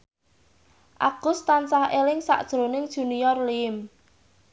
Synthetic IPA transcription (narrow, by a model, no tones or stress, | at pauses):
ʔa̰ɡ̥ʊst̪ansahelɪŋsa̰ʔd̥ʒ̥ɾonɪŋd̥ʒ̥ṳnijɔrliɪm